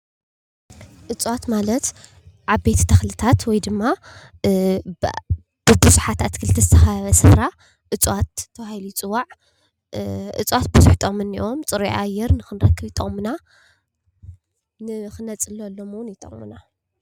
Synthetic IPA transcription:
ʔɨt͡sʼwat̪malɐt̪ | ʕaβe̞t̪t̪ʰɐxlɨt̪ʰat̪wɔjd̪ɨmːa | b̥ɨbɨzuħat̪ʰat̪kʰɨlɨt̪ʰɐzɨt̪ʰɐxaaβɐsɨβɾa | ʔɨt͡sʼwat̪ʰːɐβahilit͡sʼɨwaʕ | ʔɨ̰t͡sʼwat̪̚bɨzuħt̪ʰʼomɨnːiʔo̞mt͡sʼɨɾujʔajɛɾnɨxɨnɾɐkʰːɨβit̪ʼɐ̰ɣʼmɨna | nɨxɨnɐt͡sʼɨlolːomwʊnjɪt̪ʼɐ̰χʼmɨna

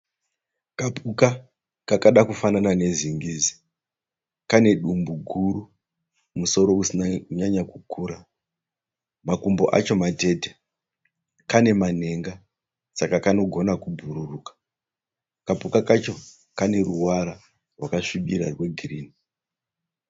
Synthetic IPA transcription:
kapʰuka | kakaɗakufananane̞ziŋɡizi | kane̞ɗumbuɡʱuru | muso̞ɾo̞usinaɲaɲakukuːɾa | makumbo̞̰ʔa̰t͡ʃo̞mate̞te | kane̞man̤e̞ŋɡa | sakakano̞ɡʱo̞nakubʱuɾurukḁ | kapukakat͡ʃo̞ | kane̞ruwaɾa | rwakaʂiɓiɾarwe̞ɡʱiriːni

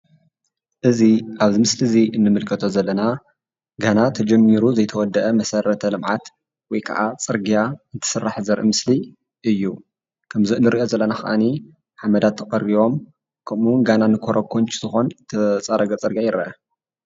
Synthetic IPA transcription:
ʔɨziʔaβzimɨsliziɨnːɨmɨlkʰɐt̪ʰozɐlːɐna | ɡanat̪ʰɐd͡ʒɛmːiɾuzɐjt̪ʰɐwɔd̪ːɐʔɐmɐsɐɾɐt̪ʰɐlɨmʕat̪ | wɔjkʰɐ̰ʔat͡sʼɨɾɡijaɨnt̪ʰɨ̥sɨrːaħzɐɾʔɨ̰mɨsli | ʔɨjːu | kʰɐmziɨnːɨɾiʔo̞zɐlːɐnaxɐ̰ʔani | ħamɐd̪at̪ʰːɐχʼɐɾiβo̞m | kʰɐmuwnɡananɨkʰoɾʔɐkʰont͡ʃz̥ɨxo̞nt̪ʰɐt͡sʼɐɾɐɡɐt͡sʼɨɾɡijajɪɾɐ̰ʔɐ

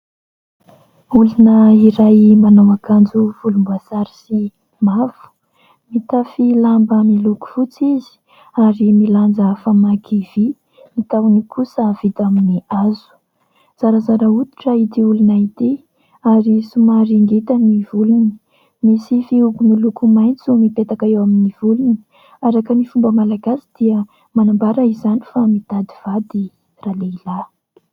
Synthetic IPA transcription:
ulunəiɾajmanawakand͡zuv̥ulumbazaɾi̥si | mav̥u̥ | mit̪afilambəmiluku̥fut͡sizi̥ | aɾimiland͡zafamakiv̥i | mit̪awnikʰusəv̥it̪aminiaz̥u̥ | z̥aɾəzaɾaut̪i̥ʈ͡ʂait̪iulunait̪i | aɾisumaɾiŋɡet̪anivuluni | misifiukumilukumajnt͡sumipet̪akaewaminivuluni̥ | aɾakənifumbəmalaɡasi̥d̪̥iə | manambaɾəizani̥famit̪ad̪iv̥ad̪i | raleila

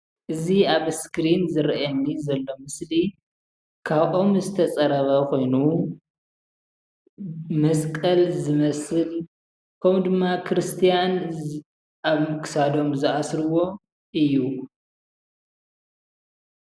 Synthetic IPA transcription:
ʔɨziaβskɾinzɨɾɐʔɐnːizɐlːo̞mɨsli | kʰaβʔo̞mzɨt̪ʰɐt͡sʼɐɾɐβɐkʰo̞jnu | mɐskʼɐlzɨmɐsɨl | kʰɐmd̪ɨmːakʰɾɨst̪ʰijan | aβkʰɨ̥sad̪o̞mzɨʔasɾɨwo̞ | ʔɨjːu

